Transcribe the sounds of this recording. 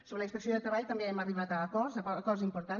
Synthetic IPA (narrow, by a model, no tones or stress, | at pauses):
soβɾəlikspəksioðət̪ɾəβaʎt̪əmbeɛməriβat̪əːkɔrzəkɔzzimpuɾt̪an